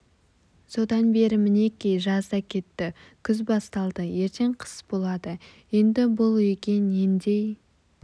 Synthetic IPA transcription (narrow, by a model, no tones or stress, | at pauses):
so̞d̪ɑnbe̞ɾɪmɪne̞kʲejʒɑzd̪ɑkʲʰe̞t̪ːɪkʲʰʏzbɑst̪ɑlˠd̪əje̞ɾt̪ʰe̞ɴqʰə̥sbo̞lˠɑd̪əje̞nd̪ɪbʊlˠekʲe̞nend̪e̞j